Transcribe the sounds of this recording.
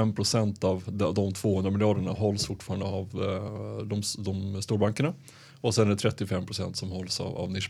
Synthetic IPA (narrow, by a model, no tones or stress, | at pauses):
ɛmːpʰɾʊsɛnt̪ɑvd̪d̪ɔmt̪ʰv̥oːhɵnd̪ɾamɪljɑːɖəɳaɦɔlːsfʊʈːfɑːɾand̪əav | d̪ɔmd̪ɔmst̪uːɾbaŋkəɳa | ɔsɛnæɖɛt̪ʰɾɛt̪ːɪfɛmːpʰɾʊsɛ̰nt̪sɔmhɔlsɑ̰a̰vnɪʂ